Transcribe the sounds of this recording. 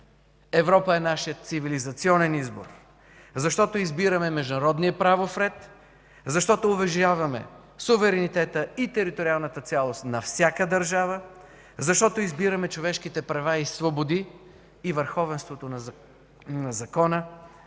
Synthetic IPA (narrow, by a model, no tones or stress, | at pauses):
ɛvɾɔpəɛnaʃijət̪̚sivilizɐt̪siɔnɛnizbo̰ɾ | zɐʃt̪ɔt̪oizbiɾɐmɛmɛʒd̪nɐɾɔd̪niəpɾavofɾɛt̪ | zɐʃt̪ɔt̪oːbɛʒavɐmɛ̰ | suvɛɾɛnit̪ɛt̪əit̪ɛɾit̪oɾialˠnət̪ət̪sʲjalˠost̪nɐfsʲjakəd̪əɾʒavə | zɐʃt̪ɔt̪oizbiɾɐmɛt͡ʃovɛʃkit̪ɛpɾɐvaisvobod̪iː | vəɾxɔvɛnst̪vot̪onɐ | nɐzɐkɔnə